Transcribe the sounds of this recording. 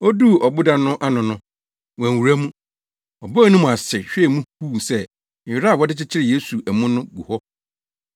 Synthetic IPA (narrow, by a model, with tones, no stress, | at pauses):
o˦du˦ɔ˨bʊ˦dã˨nʊ̃˦ʔa˦nʊ̃˨nʊ̃˦ | wɛ̃˨u˨ɾæ˦mũ˦ | ɔ˨bɔ˦˨nʊ̃˦mũ˨a˨sɪ˨ɕᶣɛ˨mũ˦huː˦˨sɛ˦˨ | ɪ˨ɾa˦˨wɔ˦dɪ˦t͡ɕɪ˦t͡ɕʰɪ˦ɾɪ˨je˦su˨ʔæ˨mũ˦nʊ̃˦ɡu˨hɔ˦